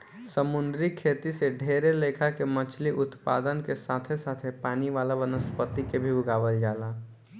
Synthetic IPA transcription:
səmʊnd̪ɾikʰeːt̪iseɖʱeːɾeleːkʰakemət͡ʃʰliʔʊt̪paːd̪ənkesaːt̪ʰesaːt̪ʰepaːniʋaːlaʋənəspət̪ikebʱiʊɡaːʋəld͡ʒaːlaː

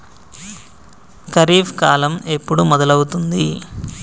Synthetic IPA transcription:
kɐɾiːfʰkaːlɐme̞pːuɽumɔd̪ɐlɐwut̪und̪i

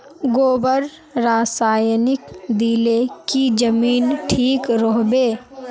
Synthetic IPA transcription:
ɡoːbəɾ | ɾaːsaːjnɪkd̪iːlekid͡ʒəmiːnʈʰiːkɾɔɦbeː

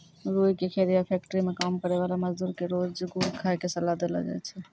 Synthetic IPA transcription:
ɾujkekʰeɾijapʰɛk̚ʈəɾimekamkəɾeβalaməd͡ʒd̪uɾkeɾod͡ʒɡuɾkʰaekesəlad̪ela̰d͡ʒa̰jt͡ʃʰɛ

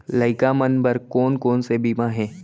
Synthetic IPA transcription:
ləɪkamənbəɾkoːnkoːnsebiːmãɦɛ̃ː

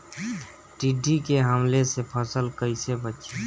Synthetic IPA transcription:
ʈiɖikeɦəmlesepʰəsəlkəɪsebətːʃʰe

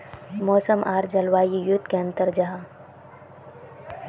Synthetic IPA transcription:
mɔːsəmʔaːɾd͡ʒɐlʋaːjijud̪keɐ̃nt̪əɾd͡ʒaɦa

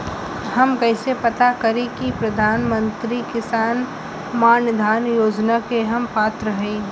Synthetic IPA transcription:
hɐmkɐɪsepɐt̪akɐɾẽkipɾɐd̪ʱaːnmə̃nt̪ɾikɪsaːn | maːnjəd̪ʱaːnjoːd͡ʒnakeɦɐmpaːt̪ɾəɦẽː

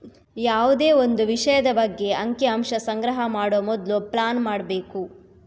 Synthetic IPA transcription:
jaːʋud̪e̞ːond̪uʋiʂɐjɐd̪ɐbɐɡːe̞ɐŋkeɐmʂɐsɐŋɡɾɐɦɐmaːɽoːmɔd̪luplaːnmaːɽbe̞ːku

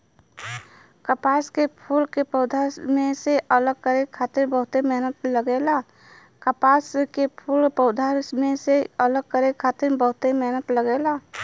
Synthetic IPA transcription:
kəpaskepʰulkepəʊd̪ʱasmẽseʔələɡ̚kəɾekʰat̪ɪɾbəɦʊt̪emeɦnət̪ləɡela | kəpaskepʰulpəʊd̪ʱaɾsmeseələɡ̚kəɾekʰat̪ɪmbəɦʊt̪emeɦnət̪ləɡela

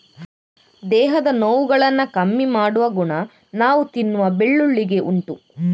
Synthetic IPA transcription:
d̪ɛːɦɐd̪ɐnoːʋuɡɐɭɐnːɐkɐmːimaːɽuʋɐɡuɳɐ | naːʋut̪inːuʋɐbeɭːuɭːiɡe̞ʔuɳʈu

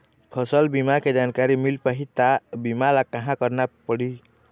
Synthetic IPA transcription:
pʰʌsəlbimaked͡ʒankaɾimilpaɦit̪abimalakəɦãkəɾnapəɽi

